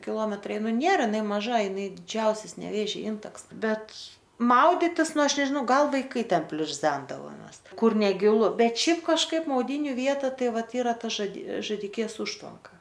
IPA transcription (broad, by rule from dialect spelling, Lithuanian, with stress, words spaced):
kʲɪˈlˠoːmʲɛtrɐɪ ˈnʊ ˈnʲeːrɐ ɪˈnɐɪ mɐˈʒɐ ɪˈnɐɪ dʲɪˈd͡ʒʲɛʊsʲɛs nʲɛˈʋʲeːʒʲɛ ˈɪntɐks ˈbʲɛt ˈmɐʊdʲɪtʲɪs ˈnʊ ˈɐʃ nʲɛʒʲɪˈnɐʊ ˈɡɐlˠ ʋɐɪˈkɐɪ ˈtʲɛn pʲlʲʊrʲˈzʲɛndɐʋoːmʲɛs ˈkʊr nʲɛˈɡʲɪlˠʊ ˈbʲɛt ˈʃʲɛɪp kɐʃˈkɐɪp mɐʊˈdʲiːnʲʊ ˈʋʲiɛtɐ ˈtɐɪ ˈʋɐt ˈiːrɐ pɐʒɐdʲeː ʒɐˈdʲɪkʲeːs ˈʊʃtʋɐŋkɐ